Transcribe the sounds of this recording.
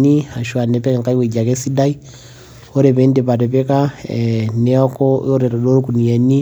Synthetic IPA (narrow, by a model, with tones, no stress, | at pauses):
ni˦a˨ʃwa˨nɛ˨pɛ˦ka˨ŋka˦i˦wɛ˨ɟa˨kɛ˦si˦da˦i˦ | ɔ˦ɾɛ˨pɛ˨˦ndɛ˨pa˨ɾɛ˨pɛ˦ka˦ | nɛɔ˦kɔ˦ɔ˦ɾɛ˨ɾɔ˨dɔ˦ɾu˦ku˨ni˨ɛ˨ni˦